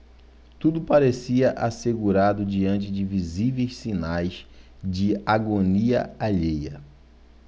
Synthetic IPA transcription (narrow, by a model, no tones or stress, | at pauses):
t̪ud̪ʊpaɾesiɐʔaseɡuɾad̪ʊd͡ʒiɐ̃nt͡ʃɪd͡ʒɪvizivejssinajs | d͡ʒɪaɡoniɐ̰aʎejɐ